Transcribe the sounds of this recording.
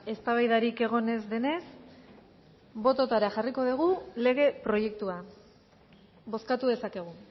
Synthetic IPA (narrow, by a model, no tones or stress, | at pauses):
e̞st̪aβajðaɾike̞ɣ̞o̞ne̞zd̪e̞ne̞s | bo̞t̪o̞t̪aɾaxariko̞ð̞iɣ̞ule̞ɣ̞e̞pɾo̞je̞k̚t̪ua | βo̞skat̪uðe̞sake̞ɣ̞u